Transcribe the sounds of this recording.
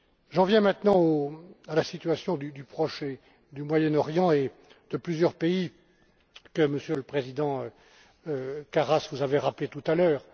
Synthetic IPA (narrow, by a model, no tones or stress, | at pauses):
ʒɑ̃vjɛ̃mɛ̃t̪nɑ̃oalasit̪ɥasjɔ̃d̪yd̪ypχɔʃe | d̪ymwajɛnɔʁjɑ̃e | d̪̥əplyzjœʁpei | kəməsjøləpχezid̪ɑ̃ø | kaʁasvuzaveʁaplet̪ut̪alœːʁ